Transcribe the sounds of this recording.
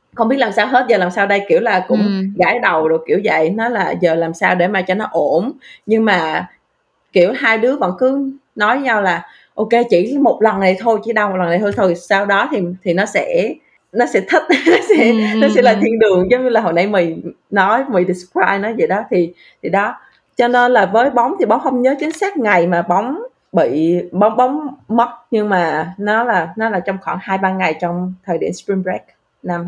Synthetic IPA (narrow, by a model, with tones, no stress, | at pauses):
xə˧ŋ͡mɓi˦˥ət̚laː˨˩msaː˧wɦe˦˥t̚zəː˨˩laː˨˩msaː˧wɗə˧jki˧˩əwlaː˨˩kʊ̰˧˥ŋ͡mɣaː˧˩jɗə˨˩wɗɨ˨˩kːḭ˧˩əwzə̰˧˨jnɔ˨˦laː˨˩zəː˨˩laː˨˩msaː˧wɗe˧˩maː˨˩t͡ɕɔ˧nɔ˨˦ʔo˧˩nɲɨ˧ŋmaː˨˩ | ki˧˩əwɦaː˧jɗɨ˨˦əvə̰˧˥nkɨ˨˦nɔ˨˦jə˨˦ɲa˧wlaː˨˩ | ʔo˧ke˧t͡ɕḭ˧˩mo˨˩t̚lə˨˩ŋna˨˩jt̪ʰo˧jt͡ɕḭ˧˩ɗa˧wmo˨˩lna˨˩jt̪o˧jt̪ʰo˧˩jsaː˧wɗɔ˨˦t̪ʰi˨˩t̪ʰi˨˩nɔ˨˦sɛ̰˧˥ | nɔ˨˦sɛ̰˧˥t̪ʰi˦˥t̚nɔ˨˦sɛ̰˧˥nɔ˨˦ɛ̰˧˥laː˨˩t̪ʰi˧ənɗɨ˨˩əŋzɔ˨˦wŋ͡mɲɨ˧laː˨˩ɦo̰˨˩jna˧jmi˨˩jnɔ˨˦jmi˨˩jɗi˨˩skwaː˧jnɔ˨˦jzə̰˨˩ɗɔ˨˦t̪ʰi˨˩ | t̪ʰi˨˩ɗɔ˨˦ | t͡ɕɔ˧ne˧nlaː˨˩vəː˨˦jɓa˨˦wŋ͡mt̪ʰi˨˩ɓa˨˦wŋ͡mhə˧wŋ͡mɲəː˨˦t͡ɕï˨˦ŋ̟sɛː˦˥t̚ŋa˨˩jmaː˨˩ɓa˨˦wŋ͡m | ɓḭ˧˨ɓɔ˨˦wŋ͡mɓa˨˦wŋ͡mmə˦˥wt̚ɲɨ˧ŋmaː˨˩nɔ˨˦laː˨˩nɔ˨˦laː˨˩t͡ɕɔ˧wŋ͡mxwaː˧˩nhaː˧jɓaː˧ŋa˨˩jt͡ɕɔ˧wŋ͡mt̪ʰəː˨˩jɗḭ˧˩əmspɹi˧mɹɛ˦˥k̚ | na˧m